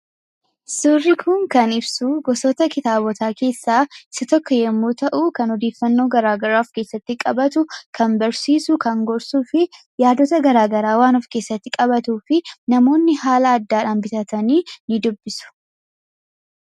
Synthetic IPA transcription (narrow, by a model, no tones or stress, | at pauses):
surːɪkʰʊŋkɐnɪbsuɡɔsɔt̪ɐkɪt̪aːbɔt̪ʰaːke̞ːsːaːɪsɐt̪ɔkːɔjɛmːuːt̪ɐʔuːkɐnɔd̪e̞ːfːɐnːo̞ːɡɐɾaːɡɐɾaːɔfke̞ːsːɐt̪ːɪkʼɐbɐt̪ʊkʰɐnbɐɾsiːsʊkɐŋɡɔɾsuːfɪ | jaːd̪ɔt̪ɐɡɐɾaːɡɐɾaːwaːnɔfke̞ːsːɐt̪ːɪkʼɐbɐt̪uːfɪnɐmo̞ːnːɪhaːlɐːd̪ːaːᶑaːnbɪt̪ɐt̪ɐniːnɪd̪ʊbːɪsʊ̥